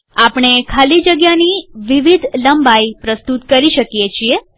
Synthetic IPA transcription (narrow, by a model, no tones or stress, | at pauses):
apɳ̃ekʰalid͡ʒəɡjaniʋiʋid̪ʱləmbaipɾəst̪ut̪kəɾiʃəkijet͡ʃʰie